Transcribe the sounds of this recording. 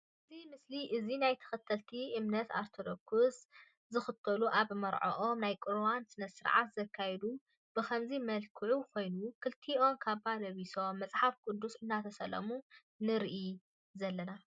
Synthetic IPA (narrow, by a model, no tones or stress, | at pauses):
ʔɨzimɨsliʔɨzinajt̪ʰɨ̥xɨt̪ʰːɐlt̪ʰiʔɨmnɐt̪a̰ɾt̪ʰod̪okʰus | zɨxɨt̪ʰːɐluʔaβmɐɾʕo̰ʔomnajkʼɨɾwansɨnɐsɨɾʕa̰t̪z̥ɐkʰːajɛd̪u | b̥ɨkʰɐmzimɐlkʰɨʕukʰo̞jnukʰɨlt̪ʰio̞nkʰaβalɐβiso̞mːɐt͡sʼħafkʼʊd̪ːusɨnːat̪ʰɐsɐlɐ̰mu | nɨɾiʔi | zɐlːɐna